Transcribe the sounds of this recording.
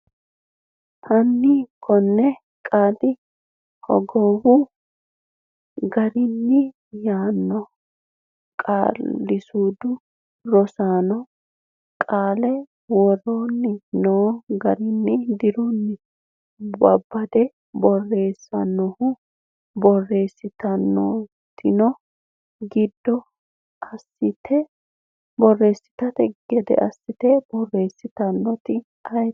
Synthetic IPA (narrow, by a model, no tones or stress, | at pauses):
hɐnːikʰɔnːɛ | kʼaːt̪ɪ | hɔ̰ɡoːwʊ | ɡɐɾɪnːɪ | jaːnːɔ | kʼa̰ːlːɪsuːd̪ʊ | ɾɔsaːnɔ | kʼaːlɛ | wɔɾoːnːɪnoːɡɐɾɪnːɪd̪ɪɾɔnːɪ | bɐbːɐd̪ɛ | bɔrːe̞ːsːɐnːɔhʊ | bɔrːe̞ːsːɪt̪ɐnːo̰ | t̪ɪnɔ | ɡɪd̪ːɔ | ɐsːɪt̪ʰɛ | bɔrːe̞ːsːɪ̥t̪ɐt̪ɛɡ̥ɛd̪ɛ̰ʔɐsːɪt̪ɛb̥ɔrːe̞ːsːɪt̪ɐnːɔt̪ɪ | ɐj